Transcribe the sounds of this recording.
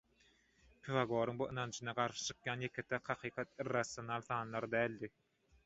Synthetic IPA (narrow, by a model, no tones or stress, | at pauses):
pʰivɑɡo̞ːɾɯŋbuʔɯnɑnd͡ʒʰɯnɑqɑɾʃɯ̥t͡ʃʰɯ̥qjɑːnjekʰet̪ʰæqhɑqʰiːqʰɑt̪̚irːɑsjonɑlˠθɑːnlˠɑɾd̪æːlʲd̪i